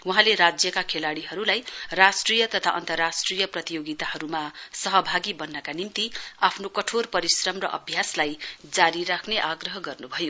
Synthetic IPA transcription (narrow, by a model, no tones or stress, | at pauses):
wuɦãleɾad͡zjʌkakʰelaɽiɦʌɾulajrasʈrijʌt̪ʌt̪ʰa̰ʔʌ̰nt̪ʌrːasʈrijʌprʌt̪ijoɡit̪aɦʌɾumasʌɦʌbʱaɡibʌnːʌkanimt̪iapʰnokʌʈʰorpʌɾisrʌmrʌʔʌ̰bʱjaslajd͡zaɾiɾakʰneʔaɡrʌɦʌɡʌrnubʱʌjo